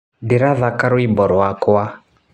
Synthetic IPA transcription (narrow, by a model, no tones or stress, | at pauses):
diɾaðakaɾwimbɔɾɔakɔa